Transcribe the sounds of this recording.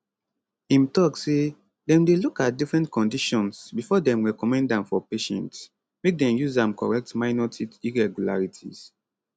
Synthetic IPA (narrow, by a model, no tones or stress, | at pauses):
ĩmtɔksːe | dɛ̃mdelukat̚difɹɛ̃ntkɔ̃ndiʃɔ̃nsbifɔdɛ̃mɹɛkɔmɛ̃ndãmfɔpeʃɛ̰̃nts | mek̚dɛ̃mjuzãmkɔ̰ɹɛk̚tmaɪnɔtʰitiɹɛɡula̰ɹitʰḭz̥